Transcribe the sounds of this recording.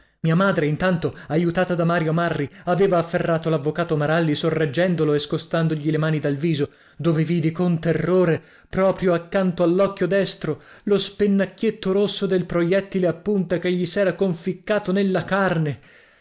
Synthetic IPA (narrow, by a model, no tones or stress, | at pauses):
miːamaːd̪ɾeint̪ant̪oajut̪aːt̪ad̪amaːɾjomarːiaveːvaːfːerːaːt̪olavːokaːt̪omaɾalːisorːed͡ʒːɛnd̪oloeskost̪and̪oʎilemaːnid̪alviːzo | d̪oːveviːd̪ikont̪erːoːɾe | pɾɔːpɾjoakːant̪oalːɔkːjod̪ɛst̪ɾo | lospenːakːjet̪ːoɾosːod̪elpɾojɛt̪ːileapːunt̪akeʎːisɛːɾakoɱfikːaːt̪onelːakarne